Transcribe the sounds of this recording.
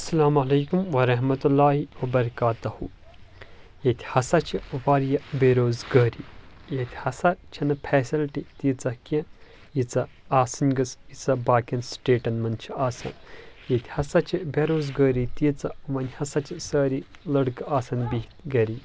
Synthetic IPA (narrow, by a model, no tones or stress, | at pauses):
ɐsɐlaːmɐlɐːkumʋɐɾɐɦmɐt̪ulːaːɦiʋɐbɐɾɐkaːt̪ɐhu | jet̪ʰʲhɐsɐt͡ʃʰiʋaɾjɐbeɾoːzɡəːɾiːjet̪ʲʰihɐsɐɾt͡ʃʰɐnɐpʰɛːsilʈit̪it͡sɐkɐ̃ | jit͡sɐ | aːsɐnʲɡɐsit͡sɐbaːkɐnsʈeːʈɐnmɐnt͡ʃʰiaːsɐ̰njet̪ʲʰhɐsɐt͡ʃʰibeɾoːzɡəːɾit̪it͡sɐʋɐnʲhɐsɐt͡ʃʰisɐːɾi | lɐɽkaːsɐnbiht̪ɡɐɾiː